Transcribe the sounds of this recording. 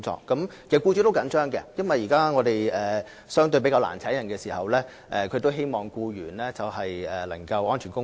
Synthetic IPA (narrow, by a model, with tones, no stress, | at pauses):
ŋt͡sɔ̰ː˧kːɐ˨˥mkʰe˨˩˨kuː˧t͡ʃy˨˥t̪o˥wkɐ˨˥nt͡ʃœː˥ŋkɛ̰˧jɐ˥nwɐ˨jːiː˨˩kaː˥ŋɔː˨˧d̪e˨jɛː˨ | sœː˥ŋt̪ɵ˧ɥpe˨˥kaː˧la̰ː˨˩nt͡sʰɛ˨˥jɐ˨nkɛː˧siː˨˩hɐ˨wlɛː˥ | ʔɛː˨kʰɵ˨˧t̪o˥wɦe˥jmɔː˨ŋkuː˧ɥyː˨˩nlɛː˥t͡sɐ˨whɐ˨jɛː˨lɐ˨˩ŋkɐ˧wʔɔː˥nt͡ʃʰyː˨˩nkʊ˥